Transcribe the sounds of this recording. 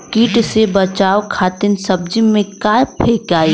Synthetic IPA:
kiːʈsebɐt͡ʃaːwkʰaːt̪ɪnsɐb̚d͡ʒimẽkaːjpʰeːkaːi

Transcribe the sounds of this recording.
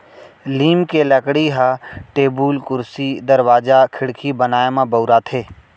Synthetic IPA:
liːmkeləkɽiɦaʈeːbuːlkʊɾsid̪ɐɾwaːd͡ʒakʰɪɽkʰibənaːemãbəʊɾat̪ʰeː

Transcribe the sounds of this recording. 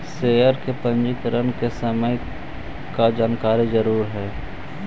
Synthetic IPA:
seːəɾkepə̃nd͡ʒɪkɾənkesəməj | kad͡ʒaːnkaːɾizəɾuːɾɦɛː

